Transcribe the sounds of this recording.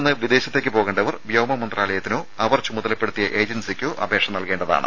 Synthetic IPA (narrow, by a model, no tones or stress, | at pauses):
nːɨʋid̪e̞ːɕɐt̪ːeːk̬ʲːɨpo̞ːɣeːɳɖɐʋɐrʋjɐwmɐmɐnd̪raːlɐjɐt̪ːino̞ːɐʋɐrt͡ɕumuðɐlɐpːe̞ɽut̪ːijɐʔe̞ːd͡ʑɐnsekʲːo̞ːʔɐ̰bʱe̞ːkʂɐmnɐlke̞ːɳɖɐða̰ːɳɨ̰